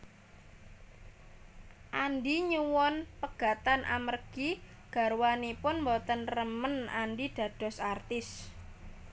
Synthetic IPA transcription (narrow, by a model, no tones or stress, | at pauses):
ʔanɖiɲuwɔnpəɡ̥ä̤t̪anʔa̰mərɡ̥i | ɡ̥a̤ɾwanipʊnmbɔt̪ənrəmənanɖiɖ̥ä̤d̥ɔ̤sart̪ɪs